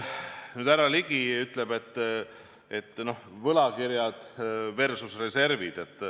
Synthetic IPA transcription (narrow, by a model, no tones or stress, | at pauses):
nyːd̪̥æɾɑliɡ̥iyt̪ːˑlebe̞t̪ː | e̞t̪ːˑno̞hvɤlɑkiɾjɑd̪̥ve̞rsusre̞se̞rvid̪̥e̞t̪ˑː